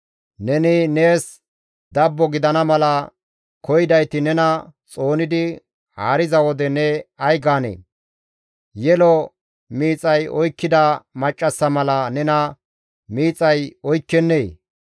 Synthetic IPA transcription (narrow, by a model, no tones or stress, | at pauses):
nɛnɪne̞ːs | d̪ɐbːɔɡɪd̪ɐnɐmɐlɐ | kɔjɪd̪ɐjt̪ɪnɛnɐt͡sʼo̞ːnɪd̪ɪ | ha̰ːɾɪzɐwɔd̪ɛnɛɐjɡaːnḛː | jɛlɔ | miːt͡sʼɐjɔjkːɪd̪ɐmɐt͡ʃʼːɐsːɐmɐlɐnɛnɐ | miːt͡sʼɐjɔjkːɛnːeː